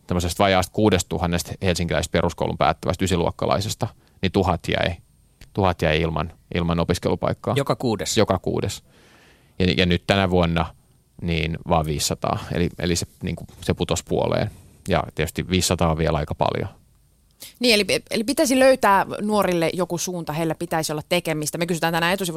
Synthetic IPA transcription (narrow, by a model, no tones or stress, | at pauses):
semːosest̪ʋɑjɑːst̪̚kuːdest̪t̪uhɑnːest̪helsiŋkilæise̥st̪perusko̰ulumpæ̰ːt̪ːæʋæst̪ysiluɑkːɑlɑ̰isest̪ɑ | nit̪uhɑt̪jæ̰i | t̪uhɑt̪jæiilmɑ̰nʔilmɑnopiskelupɑ̰ikːɑːokɑkuːdesjokɑkṵːdes | jɑjɑnyt̪t̪ænæʋuonːɑ | niːnʋɑːʋʋiːsːɑt̪ɑ̰ːḛliḛlisenḭːŋkuseput̪ospuo̰lḛːn | jɑ̰t̪iɛt̪y̥st̪iʋiːsːɑt̪ɑːʋiɛlɑikɑpɑ̰ljo̰ | niːelielipit̪æisiløyt̪æːnuorilːeʔjokusuːnt̪ɑheilːæpit̪æisiolːɑt̪t̪ekemist̪æmekysyt̪ænænæet̪usiʋ